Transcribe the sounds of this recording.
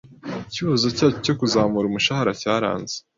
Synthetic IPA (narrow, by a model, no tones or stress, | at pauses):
ciβazocaːt͡ʃoco̞kuzaːmuɾumuʃahaɾacaːɾa̰ːnze̥